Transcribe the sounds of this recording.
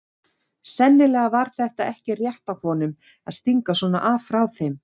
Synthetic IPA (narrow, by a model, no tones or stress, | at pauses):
sɛnːɪlɛːɣavaɾ̥θɛht̪aɛhcɪrjɛht̪awfɔnʏm | aðst̪iŋkasɔːna̰ʔaːvfɾawθejm